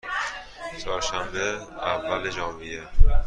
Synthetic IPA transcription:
t͡ʃʰɒːɾʃæmbeævːæled͡ʒɒːmije

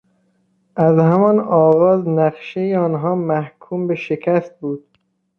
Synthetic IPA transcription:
ʔæzhæmɒnɒːɣɒːznæqʃejeɒːnɦɒːmæhkʰuːmbe̞ʃekʰæst̪̚buːd̪̥̚

